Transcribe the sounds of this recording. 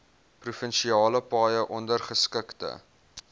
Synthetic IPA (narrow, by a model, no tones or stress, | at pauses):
prufənʃiɑːləpɑːjəʔɔndərχəskəktə̰